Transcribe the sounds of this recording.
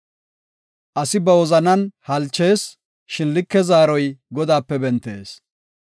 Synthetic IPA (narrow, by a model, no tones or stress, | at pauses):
ʔɐsɪbɐwɔzɐnɐnhɐlt͡ʃːe̞ːs | ʃɪnlɪkːɛzaːɾɔjɡɔd̪aːpːɛbɛnt̪ːe̞̰ːs